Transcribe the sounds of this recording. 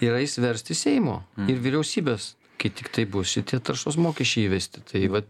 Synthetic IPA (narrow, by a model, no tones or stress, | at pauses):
ɪɾɐɪsʋʲɛɾʲsʲt̪ʲɪsʲɛɪmoːɪɾʋʲiɾʲɛʊsʲiːbʲeːs | kɐɪt̪ʲɪkt̪ɐɪbʊsʲɪt̪ʲiɛt̪ɐɾrʃoːsmoːkʲɛʃt͡ʃʲɛɪiːʋʲɛsʲt̪ʲɪt̪ʰɐɪʋɐ